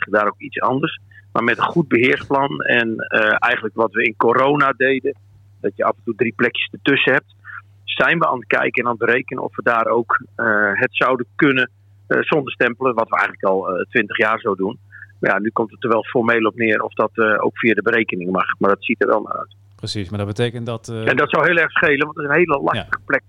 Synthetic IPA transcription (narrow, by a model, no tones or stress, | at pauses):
ədaːɾowkitsɑ̰ndərsma̰ɹmɛtənχut̚bəɦɪəɹsplɑnɛ̰nɛjχən̩ləkʋɔtʋəɪnkoɾownadejdə | dɔtjəafəntudriplɛkjəstətøsəhɛp̚t | sɛjnʋəa̰ːnət̚kɛ̰jkəɛnanbəɾejkənəɔ̰fʋədaːɾowkɦətsawdəkønə | sɔndərstɛmpəlˠəʋɔtʋəɛ̰jɣənləkɔlˠtʋɪntəχjaːrzowdunmaja̰nykɔmtətːəʋɛlˠfɔrmejlˠɔpnɪːərʔɔ̰fdɔto̰wkfiadəbəɾejkənɪŋmɑχmardɔtsitərʋɛ̰lˠma̰rœ̰ɥt | pəsismadɔbətekəndɔtɛndɔtsɔwɦɪːlˠɛrχsχejlˠənʋɔntɪsənɦejləlastəχəplɛk̚